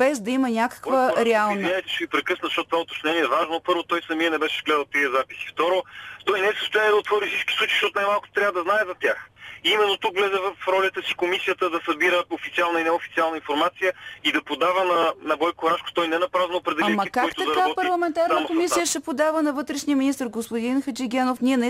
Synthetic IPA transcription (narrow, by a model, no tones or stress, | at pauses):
b̥ɛzd̪ɐimɐnʲakɐ̥kvəɾɛalˠnvinɛt̪ɛʃɛvipɾɛkɤsnzʃt̪ɔt̪̚t̪ovaʊt̪o̥t͡ʃnɛniɛvaʒnopɤɾvot̪ɔjsɐmiənɛbɛʃɛzɡlɛd̪əlˠt̪iəzapisi̥ft̪ɔɾot̪ɔjnɛɛsəst̪ojaniɛd̪ɐot̪vɔɾisit͡ʃki̥slˠut͡ʃi̥ʃt̪ɔt̪najmalˠkʊt̪o̥t̪ɾʲavəd̪ɐznaɛzɐt̪ʲaximɛnːot̪ukvlɛzɛvəfɾɔlʲət̪əsikomisijət̪əd̪ɐsɐbiɾəofit̪sialˠnəinɛofit̪sialˠnəinfoɾmat̪sijəid̪ɐpod̪avənɐnɐɡɔjkoɾaʃkʊ̥t̪ɔjnɛnɐpɾaznoːpɾɛd̪ɛlaimɐkaɔikt̪ʊɐd̪ɐɾkɐaɔt̪pɐɾlˠɐmɛnt̪aɾnəmkomisijəʃɛpod̪avənɐvɤt̪ɾɛʃniəminist̪əɾɡospod̪inxɐt͡ʃiɡʲɛnofniɛnɛ